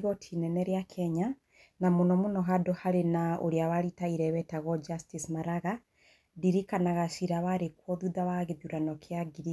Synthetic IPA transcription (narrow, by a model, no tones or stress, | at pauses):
ɣɔtʰinɛnɛɾeakʰɛɲa | namonɔmonɔɦadɔhaɾenao̰ɾeawaɾitaiɾɛwɛtaɣɔd͡ʒastismaɾaɣa | diɾikanaɣaʃiɾawaɾekwɔðuðawaɣeðuɾanɔkʰeaɡiɾi